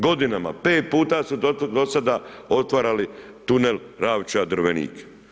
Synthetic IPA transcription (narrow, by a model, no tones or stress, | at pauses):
ɡo̞d̪inama̰pe̞ːt̪̚puːt̪asud̪od̪o̞sad̪ao̞t̪ʋaɾali | t̪unel | ɾaːʋt͡ʃad̪ɾ̩ʋenḭːk